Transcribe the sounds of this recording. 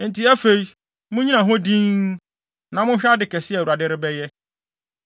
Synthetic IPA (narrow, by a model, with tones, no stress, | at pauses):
n̩˨ti˨˦æ˦fe˦ji˦ | mʊ̃˦ɲĩ˦nã˨ɦʊ̃˦dĩ˦ | nã˨mʊ̃˦ɕᶣa˦dɪ˨kɛ˨sɪ˦ɛ˨u˨a˨dɪ˦ɾɪ˦bɛ˦jɛ˦